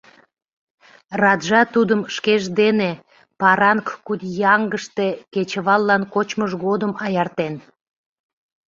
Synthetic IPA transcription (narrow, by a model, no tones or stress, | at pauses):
rɑd̪ʒɑt̪ud̪əmʃkeʒd̪ene | pɑɾɑŋkkud̪jɑŋɡəʃt̪eket͡ɕəβɑlːɑnkot͡ɕməʃɣod̪əmɑjɑrt̪en